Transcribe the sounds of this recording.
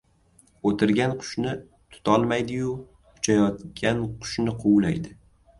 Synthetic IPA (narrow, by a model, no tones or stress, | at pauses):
ot̪ʰɪɾɡʲanqʰʊ̥ʃnɪ | t̪ʰʊ̥t̪ʰɒlˠmajd̪ɪjʊ | kʰʊ̥t͡ʃʰajɒt̪kʲanqʰʊ̥ʃnɪqʰʊwla̰jd̪ɪ